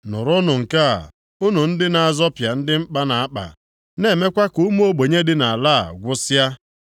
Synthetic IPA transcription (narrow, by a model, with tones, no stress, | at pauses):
nʊ˨ɾʊ˦nʊ˨ŋ̩˨ka̰˦˨ | ʊ˦nʊ˨n̩˦dɪ˦na˨a˨zɔ˦pja˨n̩˦dɪ˦m̩˦k͡pa˦na˨a˦k͡pa̰˨ | ne˨me˦kʷa˦ku˦m˦o˦ɡ͡bo˨ɲe˦dɪ˦na˨a˨la̰˦˨ɡʷʊ˦sa˦